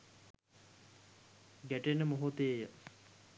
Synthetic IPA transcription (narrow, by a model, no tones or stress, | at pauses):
ɡæʈenːəmoɦut̪eːjə